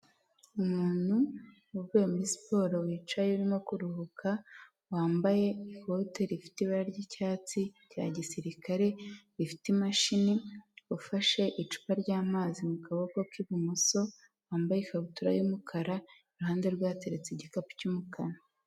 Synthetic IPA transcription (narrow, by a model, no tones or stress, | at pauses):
umuːn̥hu | ubɡejomispo̞ːɾowiːt͡ʃajeuɾimokuɾuhukʰa | waːmbaje̞ifo̞te̞ɾifi̥tiβaɾaɾɟicaːt͡sica̰ɟisiɾikaɾe̞ɾifi̥timaʃiniufaʃe̞ʔit͡ʃu̥paɾɟaːmazimukaβokokiβumuso̞ | waːmbajefautuɾa̰jumukʰaɾaiɾuɦaːnde̞ɾɡwaːte̞ɾet͡seɟikapu̥cumukʰana